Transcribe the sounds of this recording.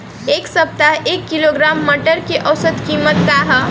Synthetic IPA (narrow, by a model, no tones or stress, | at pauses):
eːksɐp̚t̪aɦeːkːɪloɡɾaːmːɐʈəɾkeʔɐʊsəd̪kiːmət̪̚kaɦ